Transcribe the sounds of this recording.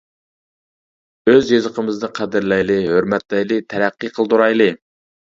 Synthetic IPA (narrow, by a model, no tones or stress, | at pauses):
øzjezəqʰəmɨznɨqʰæd̪ɪɾlɛjlɪɦøɾmɛt̪lɛjlɨt̪ʰæɾæqːɨqʰəlˠd̪uɾɑjlˠɨ